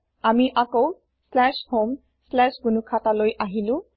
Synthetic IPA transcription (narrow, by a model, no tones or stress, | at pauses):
amiʔakow | slɛshom | slɛsɡunukʰatalojʔaɦilu